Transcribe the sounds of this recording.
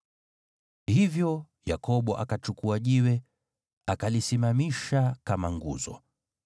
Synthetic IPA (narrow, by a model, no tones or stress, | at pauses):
hivjɔ | jakɔɓɔʔakat͡ʃukuaʄiwɛ | akalisimamiʃakamaŋɡṵzɔ̰